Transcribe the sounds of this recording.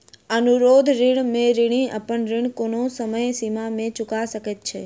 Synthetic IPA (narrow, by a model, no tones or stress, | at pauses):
ənuɾod̪ʱɾɪɳmẽɾɪɽ̃iə̰pəɳɾɪɳ̃konosəməjsimamẽt͡ʃʊkaʃəket̪̚t͡ʃʰe